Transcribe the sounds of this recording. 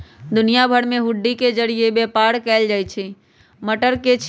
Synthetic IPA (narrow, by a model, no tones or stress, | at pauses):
d̪ʊnijabʱəɽmeɦʊɖːiked͡ʒəɽijebepaɽkɛːld͡ʒaːjt͡ʃʰɛ | məʈəɾket͡ʃʰ